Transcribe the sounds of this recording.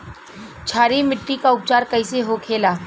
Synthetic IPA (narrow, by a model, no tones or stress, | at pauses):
t͡ʃʰaːɾimɪʈːikaʊp̚t͡ʃaːɾkɐiseɦokʰeːlaː